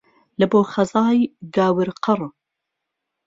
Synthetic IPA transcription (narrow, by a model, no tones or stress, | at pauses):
lɨboːxɐzɑːjɡaːwɨɾqʰɨrˤ